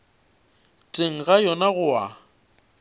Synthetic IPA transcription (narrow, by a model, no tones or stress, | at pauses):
tʼeŋ̩ɣajɔnaɣʊa